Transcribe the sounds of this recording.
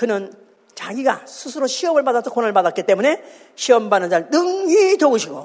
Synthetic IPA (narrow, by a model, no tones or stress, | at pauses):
kɯnɯn | t͡ɕaɡiɡasʰusʰɯɾoɕʰiʌmɯɭpadasʰʌkonɯɭpadat̚k͈it͈e̞mune̞ | ɕʰiʌmbanɯnd͡ʑanɯŋitoɡɯɕʰiɡo